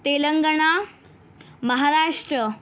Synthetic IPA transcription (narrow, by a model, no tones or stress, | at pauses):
t̪eləŋɡəɳa | məɦaɾaʂʈɾə